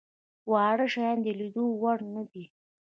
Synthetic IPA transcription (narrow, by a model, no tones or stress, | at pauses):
wɑɽəʃajɑnd̪əlid̪owaɽnad̪i